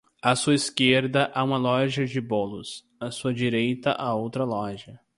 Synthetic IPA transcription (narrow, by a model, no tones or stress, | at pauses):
ɐsuɐiskeɾd̪ɐʔaũmɐlɔʒɐd͡ʒɪbolʊs | ɐsuɐd͡ʒiɾejt̪ɐ̰ʔaowt̪ɾɐlɔʒɐ